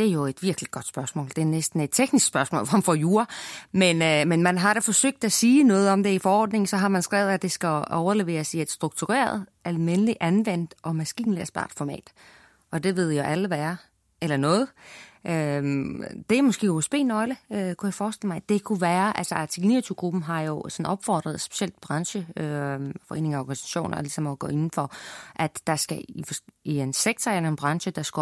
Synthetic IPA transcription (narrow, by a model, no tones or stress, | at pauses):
d̥e̝æɐjo̝e̝d̥ʋiɐɡ̥liɡ̥ɒ̽d̥sb̥ɶɐsmɔ̰̽ːld̥e̝æɐnesd̥n̩e̝d̥̚t͡sʰeɡ̥nisɡ̥sb̥ɶɐsmɔ̽ːlnfɒjuːɐmenømenmænɦɑ̈ɾ̥ɑfɒ̽søɡ̥̚d̥æsiːnɔ̽ːð̞̩ˠɒ̽md̥e̝ifɒ̽ɒ̰ːd̥ne̝ŋn̩sɒ̽ɦɑ̈mænsɡ̥ʁɛʊð̞̩ˠæ̥e̝sɡ̥æɒʊɐle̝ʋe̝̰ːɐsiæd̥sd̥ʁuɡ̥̚t͡sʰuʁḛːɐð̞ˠælmenəliʔænʋen̰d̥ɒ̽mæsɡ̥ḭːnliɐsb̥ɑ̰̈d̥fɒmɛ̰ːd̥ | ʔɒ̽d̥e̝ʋe̝ð̞̰ˠjaʔæləʋæɐ | elɐnɔ̽ːð̩ˠʔø | d̥e̝æmɒsɡ̥e̝̰ːoesb̥e̝̰ːnɒ̽ɪləøkʰujɑ̈ɪfɒːsd̥e̝ləmɑ̈ɪd̥e̝kʰuʋæːɐʔælsɐɑ̈t͡sʰiɡ̥nḭːɐt͡sʰuɡ̥ʁub̥m̩ɦɑ̈jo̝sɒ̽nɒ̽b̥fɒ̰ːd̥ʁɐð̞ˠsb̥e̝̥ɕel̰d̥̚b̥ʁɑ̈ŋɕəøfɒ̽e̝̰ːne̝ŋæɒ̰ːɡ̥ænisæ̥ɕo̝̰ːnʔɐlisɒ̽mɒɡ̥ɔ̰ːe̝nn̩fɒ̽ʔæd̥ːɑ̈sɡ̥æifɒ̥ienseɡ̥t͡sʰɒænnb̥ʁɑ̈ŋɕəd̥ɑ̈sɡ̥